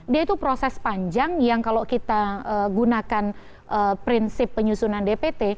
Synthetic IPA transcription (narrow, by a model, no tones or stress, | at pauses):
diait̪upɾosɛspaɲd͡ʒaŋjaŋkalokit̪aəɡunakan | ʔəpɾinsɪpːəɲusunandepet̪e